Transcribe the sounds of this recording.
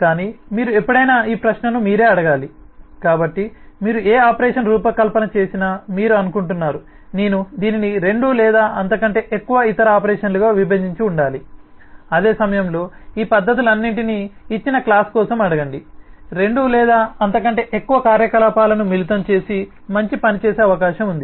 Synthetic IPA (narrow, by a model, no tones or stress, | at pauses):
kaːniːmiːɾuepːɐɽɐjnaːiːpɾɐʃnɐnumiːɾe̞ːɐɽɐɡaːlikaːbɐʈːimiːɾueːaːpɐɾɛːʂɐnɾuːpɐkɐlpɐnɐt͡ʃe̞ːsinɐmiːɾuɐnukuɳʈunːaːɾu | neːnud̪iːniniɾe̞ɳɖuːlɛːd̪aːʔɐnt̪ɐkɐɳʈe̞ːʔekːuʋɐit̪ɐɾɐaːpɐɾɛːʂɐnluɡaːʋibʱɐɲd͡ʒiɲt͡ʃuːɳɖaːli | ɐd̪e̞ːsɐmɐjɐmlo̞ːiːpɐd̪ːɐt̪̬ilɐnːiɳʈiniːt͡ʃːinɐklaːskɔːsɐmɐɽɐɡɐɳɖiɾe̞ɳɖuːlɛːd̪aːɐnt̪ɐkɐɳʈe̞ːʔekːuʋɐkaːɾjɐkɐlaːpaːlɐnumilit̪ɐmt͡ʃe̞ːsi | mɐɲt͡ʃipɐnit͡ʃeːse̞ːɐʋɐkaːʃɐmund̪i